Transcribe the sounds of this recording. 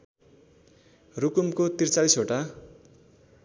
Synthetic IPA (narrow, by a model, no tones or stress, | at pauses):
rukumkot̪irt͡salisoʈa